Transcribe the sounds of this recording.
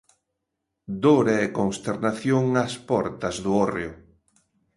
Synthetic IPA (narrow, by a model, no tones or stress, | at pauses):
d̪oɾeekoŋst̪eɾnaθjoŋɐspɔɾt̪ɐzðʊɔreʊ